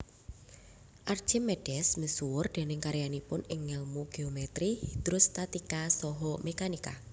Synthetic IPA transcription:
ʔard̥ʒ̥ɛmːɛɖ̥ɛsməsuwʊrd̪̥e̤nɪŋkaɾjanipʊnɪŋːɛlmuɡ̥eomet̪ɾihid̪̥ɾʊst̪at̪ikasɔɦɔmekanika

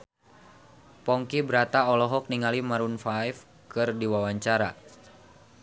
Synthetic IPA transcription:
pɔŋkibəɾat̪aɔlɔɦɔk̚niŋalimaɾunfajf | kɨrdiwawaɲt͡ʃaɾa

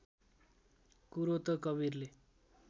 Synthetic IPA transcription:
kuɾot̪ʌkʌβirle

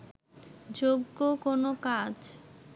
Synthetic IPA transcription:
d͡ʑoɡːokonokad͡ʑ

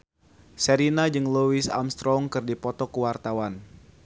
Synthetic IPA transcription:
səɾinad͡ʒɨŋluisa̰mst̪ɾɔŋkɨrdipɔt̪ɔkəwart̪awan

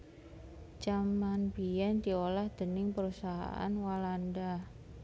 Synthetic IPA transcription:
t͡ʃamanbijand̪iolahd̪̥ənɪŋpəɾusaɦa̰ʔa̰nwalanda

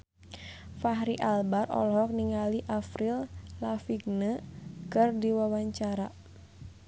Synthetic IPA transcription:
faɦɾiʔalbarɔ̰lɦɔk̚niŋaliʔafɾillafiɡ̚nəkərdiwawaɲt͡ʃaɾa

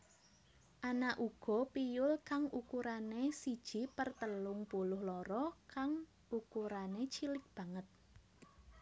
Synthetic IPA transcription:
ʔanaʔuɡ̥ɔ̤pijʊlkaŋʔukuɾanesid̥ʒ̥i̤pərt̪əlʊŋpulʊhlɔɾɔkaŋ | ukuɾanet͡ʃilɪk̚b̥a̤ŋət̪̚

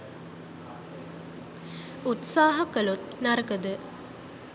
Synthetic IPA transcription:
ut̪saːɦɐkəlut̪̚nɐɾɐkəd̪ə

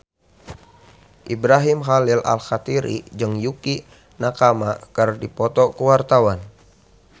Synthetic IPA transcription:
ʔibɾaɦimɦalilʔa̰lxat̪iɾḭd͡ʒɨŋjuki | nakamakərdipɔt̪ɔkəwart̪awan

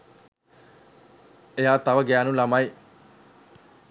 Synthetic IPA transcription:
ejaːt̪aʋəɡæːnulamaj

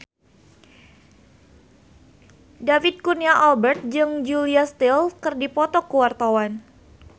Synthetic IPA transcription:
dafid̪̚kuniaʔalbɛrt̪̚d͡ʒɨŋd͡ʒuliast̪ilkərdipɔt̪ɔkuwart̪awan

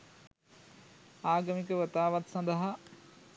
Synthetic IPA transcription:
aːɡɐmikəʋət̪aːʋat̪sɐ̃nd̪əɦa

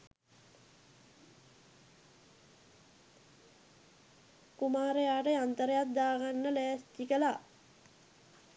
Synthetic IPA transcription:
kumaːɾəjaːʈəant̪əɾəjat̪̚d̪aːɡanːəlæːst̪ikəla

